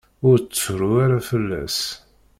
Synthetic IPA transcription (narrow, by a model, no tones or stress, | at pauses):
ʊɾt͡sːəɾuaɾafəlːæ̰s